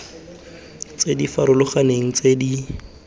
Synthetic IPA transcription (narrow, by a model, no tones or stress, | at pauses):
t͡sedifaɾʊlʊχaneŋ̩t͡sedi